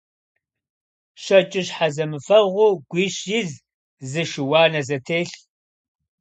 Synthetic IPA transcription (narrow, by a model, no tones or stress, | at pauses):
ɕɐt͡ʃʼɪɕħazɐmɨfɐʁʷʊɡʷiːɕjɪz | zɨʃɪwɑːnɐzɐtʰeːɬ